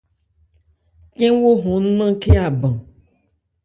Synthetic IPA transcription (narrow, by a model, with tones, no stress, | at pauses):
kẽ˦wo˦ɦɔ̃˨n̩˦nã˦ke˦a˨bã˨